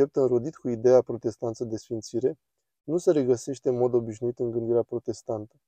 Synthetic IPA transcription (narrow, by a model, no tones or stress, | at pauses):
e̞p̚t̪ɨnɾod̪it̪kuid̪e̞japɾo̞t̪e̞st̪ant̪səd̪e̞sfint̪siɾe̞ | nuseɾe̞ɡəse̞ʃt̪e̞ɨnmo̞d̪o̞biʃnuit̪ɨŋɡɨnd̪iɾeapɾo̞t̪e̞st̪ant̪ə̥